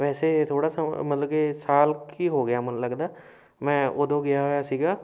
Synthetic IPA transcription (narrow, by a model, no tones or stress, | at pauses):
ʋɛːseːt̪ʰoːɽaːsamət̪ləɡeːsaːlkiːɦoːɡɪjaːmənləɡd̪aː | mɛ̃ːod̪õːɡɪjaːɦoːjaːsiːɡaː